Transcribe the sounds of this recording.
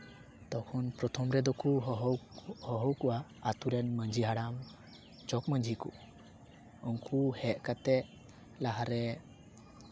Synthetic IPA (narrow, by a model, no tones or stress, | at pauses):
t̪ɔkʰɔnpɾɔt̪ʰɔmɾɛd̪ɔkuɦhɔɦɔwkuʔaːt̪uɾɛnməɲd͡ʒiɦaɽam | t͡ʃɔkməɲd͡ʒikṵ | ɔŋkʰuhɛʔ̪̚kat̪ɛʔ | laɦaɾɛ